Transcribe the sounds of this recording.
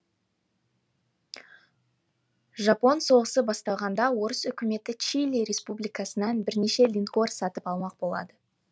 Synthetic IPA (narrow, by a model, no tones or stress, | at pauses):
ʒɑpo̞nso̞ʁəsəbɑst̪ɑlˠʁɑnd̪ɑwo̞ɾəsʏkʲɪme̞t̪ɪt͡ʃilʲiɾʲe̞spublijkɑsənɑnbɪɾne̞ʃe̞lʲinko̞rsɑt̪əpɑlˠmɑq̚bo̞lˠɑ̰d̪ə